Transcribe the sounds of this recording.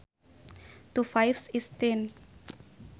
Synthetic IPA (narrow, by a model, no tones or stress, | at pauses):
t̪ufajfsist̪en